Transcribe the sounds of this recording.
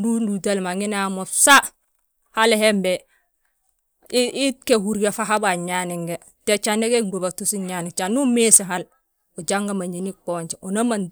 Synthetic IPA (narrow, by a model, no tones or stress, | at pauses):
dundudalmaŋinamosa | halehembe | iikehuɾɡafaɦabaɲaniŋɡe | tet͡ʃaneɡeŋɡubatusiɲanit͡ʃanumesiɦal | ud͡ʒaŋɡamaɲinikoːɲt͡ʃeonaman